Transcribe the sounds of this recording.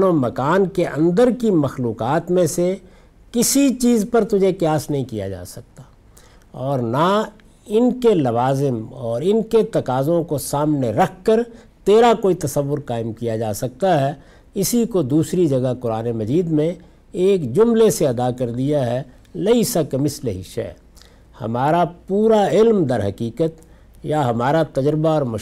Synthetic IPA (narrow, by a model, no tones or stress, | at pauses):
nomɐkaːnkeʔɐ̰̃nd̪əɾkimɐxluːqaːt̪mẽse | kɪsit͡ʃiːzpɐɾt̪ʊd͡ʒʱekjaːsnɐɦĩkija̰d͡ʒa̰ːsɐk̚t̪ḁː | ɔːɾna | ɪnkelɐʋaːzɪmɔːɾɪnket̪ɐkaːzõkosaːmneɾɐk̚ʰkəɾ | t̪eːɾakoːit̪ɐsəʋːʊɾkaːɪmkijad͡ʒaːsɐk̚t̪aɦɛ | ɪsikod̪uːsɾid͡ʒɐɡəkʊɾaːnemɐziːd̪mẽ | eːkd͡ʒʊmleseɐd̪akɐɾd̪ijaɦɛ | lɐisakmɪslɦiʃɛ̰ː | hɐ̰maːɾapuːɾaɪlmd̪ɐɾɦɐkiːkət̪ | jaɦɐmaːɾat̪ɐd͡ʒɾɪbaɔːɾmʊ